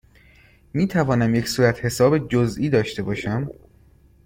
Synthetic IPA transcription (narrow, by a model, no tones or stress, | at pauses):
miːt̪ʰævɒːnæmje̞csuːɾæt̪ʰhe̞sɒːbed͡ʒozʔiːd̪ɒːʃt̪e̞bɒːʃæm